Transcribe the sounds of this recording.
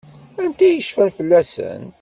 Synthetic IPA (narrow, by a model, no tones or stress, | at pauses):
ænt̪æjəʃfənfəlːæsə̰n